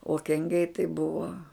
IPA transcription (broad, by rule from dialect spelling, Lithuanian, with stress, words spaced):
oː kʲɛŋʲˈɡʲɛɪ tɐɪ ˈbʊʋoː